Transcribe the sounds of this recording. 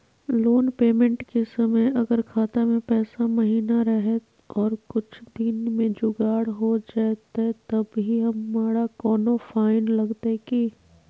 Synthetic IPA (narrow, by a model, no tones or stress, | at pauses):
loːnpeːmẽɳʈkesɐməjɐɡəɾkʰaːt̪amẽpɛːsamɐɦiːnaɾɐɦe | ɔːɾkʊt͡ʃʰd̪inmẽd͡ʒʊɡaːɽɦod͡ʒaːt̪et̪ɐbɦiɦɐmːaːɽakɔːnofaːɪnlɐɡt̪eki